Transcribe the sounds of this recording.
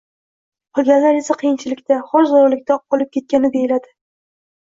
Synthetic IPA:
qʰɒlˠɡʲanlːaɾe̞saqʰɨjɪnt͡ʃʰɪlɪkʲt̪aχɒɾzɒɾlɪkʲt̪aɒlˠɪp̚kʲʰe̞t̪̚kʲanɪb̪e̞jɪlad̪ɪ

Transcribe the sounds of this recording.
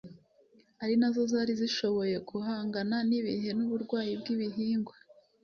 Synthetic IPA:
aɾinazo̞zaːɾiziʃo̞βo̞je̞kuɦaːŋɡananiβḭɦe̞nuβuɾɡwaːjibɡiβiɦiːŋɡwa

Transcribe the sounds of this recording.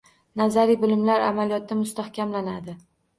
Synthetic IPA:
nazaɾibɪlɪmlaɾa̰malijɒt̪ːamʊst̪ahkʲʰamlanad̪ɪ

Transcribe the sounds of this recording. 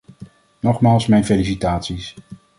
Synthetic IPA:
nɔχmaːlˠsmɛjnfelisitaːtsis

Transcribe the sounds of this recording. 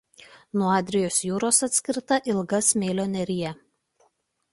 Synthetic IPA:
nuɔɑːd̪ʲɾʲɪjoːsjuːɾoːsɐt̪ʲsʲkʲɪɾt̪ɐʔɪlˠɡɐsmʲeːlʲoːnʲɛɾʲɪjɛ

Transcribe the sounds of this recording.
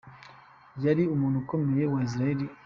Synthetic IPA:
jaɾiumuːnhuko̞me̞je̞wais̬iɾaeɾi

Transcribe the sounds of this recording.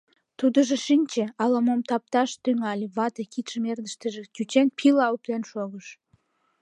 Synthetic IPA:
t̪ud̪əʒeʃinʲt͡ɕeɑlɑmomt̪ɑp̚t̪ɑʃt̪yŋɑlʲeβɑt̪ekit̪ʃəmerd̪əʃt̪əʒekyt͡ɕenpʰilɑup̚t̪enʃoɣəʃ

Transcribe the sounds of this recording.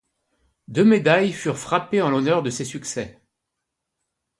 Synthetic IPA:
d̪ømed̪ajfyʁfχapeɑ̃lɔnœʁd̪əsesyksɛ

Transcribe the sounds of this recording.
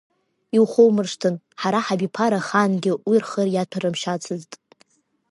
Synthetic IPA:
iwχʷowmɨrʂtʰɨn | ħaɾaħabipʰaɾaχanɡʲɪwirχərjatʷʰarɨmʃat͡sʰɨztʼ

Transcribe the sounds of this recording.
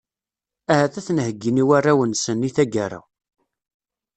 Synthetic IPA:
æhæθæθnhəɡːiniwarːawənsənːiθæɡaɾˤa̰

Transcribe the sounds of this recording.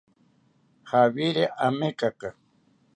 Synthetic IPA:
haβiɾeʔamekaka

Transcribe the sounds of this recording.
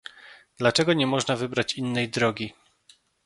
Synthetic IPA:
d̪̥lat͡ʂɛɡɔɲɛmɔʐnavɘbɾat͡ɕinːɛjd̪ɾɔɡʲi

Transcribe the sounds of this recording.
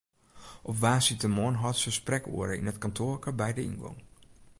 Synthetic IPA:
ʔɔpʋaːsitəmoənɦɔtsəsprɛko̰ːəɾəɪ̰nətkɑntʰoːrkəbɛjdəḭnɡɔ̰ŋ

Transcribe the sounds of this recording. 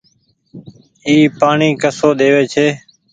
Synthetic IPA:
iːpaːɳiːkəsoːɗ̪eːʋeːt͡ʃʰeː

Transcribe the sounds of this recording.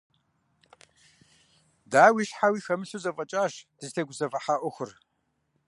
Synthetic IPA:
daːwiːʃħawiːxɐmɨɬuzɐfʼɐt͡ʃʼaːʂd̥ɨzɬʰeɡʷʊzɐvɐħaːʔʷɔxʷʊr

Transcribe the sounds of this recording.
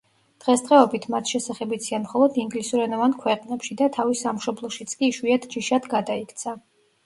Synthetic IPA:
d̪̥ʁɛsd̪ʁɛɔbit̪ʰmat̪ʰʃɛsaχɛbit̪sʰianmχɔlˠɔd̪iŋɡlisuɾɛnɔvankʰwɛqʼnɛpʃid̪at̪ʰavisamʃɔblˠɔʃit̪sʰkʼiʃwiat̪ʰd͡ʒiʃad̪ɡad̪aikʰt̪sʰa

